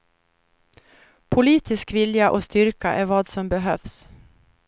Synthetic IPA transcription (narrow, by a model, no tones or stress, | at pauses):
pʰʊliːt̪ɪskvɪljaʔoːst̪ʏɾkaʔæɾvɑːd̪sɔmbɛɦœfs